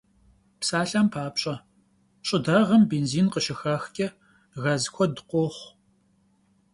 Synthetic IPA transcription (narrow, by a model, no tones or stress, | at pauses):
psaːɬɐmpʰaːpɕʼɐ | ɕʼɨdɐʁɐmbeːnziːnqəʃɪxɐxkʲʼɛ | ɣɐzkʷʰɔdɨqʷoχʷ